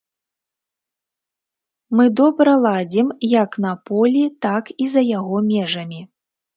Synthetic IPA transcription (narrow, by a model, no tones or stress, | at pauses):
mɨd̪ɔbɾɐlˠad͡zʲimjɐknɐpɔlʲit̪akizɐjaɣɔmʲɛʐɐmʲi